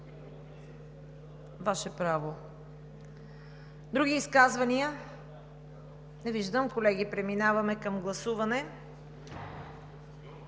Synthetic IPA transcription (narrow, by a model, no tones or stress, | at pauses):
vaʃɛpɾavo | d̪ɾuɡiːskazvɐniə | nɛviʒd̪əmkolɛɡipɾɛminavɐmɛkɐmɡlˠɐsuvɐnɛ